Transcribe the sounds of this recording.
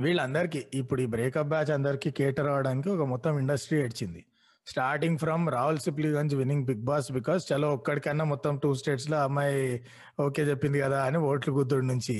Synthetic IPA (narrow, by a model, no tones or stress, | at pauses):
ʋiːɭːɐnd̪ɐɾik̬iipːuɽuiːbɾɛːkɐp̚baːt͡ʃɐnd̪ɐɾikikeːʈɐɾaːʋɐɽaːnikiɔkɐmɔt̪ːɐmiɳɖɐsʈɾiːɐɽit͡ʃind̪i | sʈaːɾʈiŋɡpʰɾɐmɾaːulsip̬liɡɐnt͡ʃʋiniŋɡbiɡ̚baːsbikɔːst͡ʃɐloːɔkːɐɽikɐnːaːmɔt̪ːɐmʈuːsʈe̞ːʈsloːɐmːɐj | oːke̞ːt͡ʃepːind̪ikɐd̪aːɐnioːʈluɡud̪ːuɽnuɲt͡ʃi